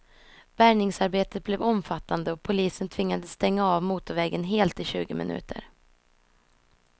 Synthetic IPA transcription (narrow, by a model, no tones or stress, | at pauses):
b̥æɾɳɪŋsaɾbeːt̪ət̪̚blɛvɔmfat̪ːand̪əɔpʰʊliːsənt̪ʰvɪŋːad̪əst̪ɛŋːaɑːvmuːt̪ʊɾvɛːɡənɦeːlt̪ɪɕʉ̟ːɡəmɪ̰nʉ̟̰ːt̪ʰə̰ɾ